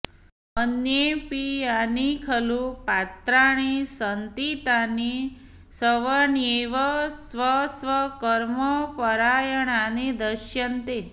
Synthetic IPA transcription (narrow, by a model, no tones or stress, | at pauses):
ənjepianikʰəlupat̪ɾaɽ̃isənt̪it̪ani | səʋəneʋəsʋəsʋəkəɾməpəɾajəɳ̃anid̪əʃjənt̪e